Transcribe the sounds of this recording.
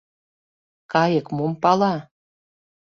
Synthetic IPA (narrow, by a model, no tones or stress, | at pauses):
kɑjəkmumpɑlɑ